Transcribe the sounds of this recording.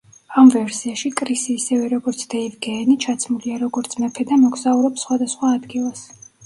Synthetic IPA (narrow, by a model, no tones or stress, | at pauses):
amvɛɾsiaʃikʼɾisiːsɛvɛɾɔɡɔɾt̪sʰd̪̥ɛivɡɛːnit͡ʃʰat̪sʰmuliaɾɔɡɔɾt̪sʰmɛpʰɛd̪amɔɡzauɾɔpsχwad̪asχwaːd̪ɡilˠas